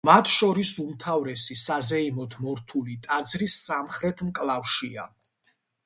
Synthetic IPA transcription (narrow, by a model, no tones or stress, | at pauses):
mat̪ʰʃɔɾisumt̪ʰavɾɛsisazɛimɔt̪ʰmɔɾt̪ʰulit̪ʼad̪zɾisːamχɾɛt̪ʰmkʼlˠafʃia